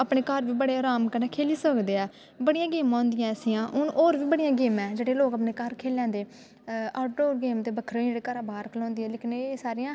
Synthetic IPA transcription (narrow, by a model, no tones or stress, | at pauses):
apɳeːkəɾʋiːbəɽeːaːɾaːmkəneːkʰeːliːsəkd̪eːɛː | bəɽɪjãːɡɪːmãːnd̪ɪjãːəsiːãːʔʊnʔoːɾʋiːbəɽɪjãːɡɪːmɛːd͡ʒeːɽeːloːkəpneːkəɾkʰeːlãːnd̪eː | aːʈoːɡeːmt̪eːbəkʰɾːɽeːkəɾãːbaːɾkəlõːnd̪iːɛːleːkɪnesaːɾejãː